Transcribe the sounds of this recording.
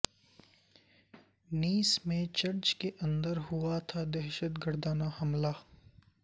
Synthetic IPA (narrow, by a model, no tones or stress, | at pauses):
niːsmẽt͡ʃɐɾt͡ʃkeʔɐ̃nd̪əɾɦʊat̪ʰad̪ɛɦʃət̪ɡəɾd̪aːnahɐmlaː